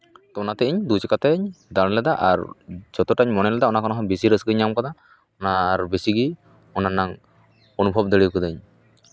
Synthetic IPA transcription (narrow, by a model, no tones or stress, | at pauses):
t̪ɔɔnat̪ɛiɲd̪ut͡ʃɛkat̪ɛɲd̪aɾlɛd̪aʔaɾd͡ʒɔt̪ɔʈaɲmɔnɛlɛd̪aɔnakɔnɔɦɔbisiɾəsɡəɲamkɔd̪a | ɔnaːɾbesiɡi | ɔnanaŋ | onubʱɔb̚d̪əɭikɔd̪əɲ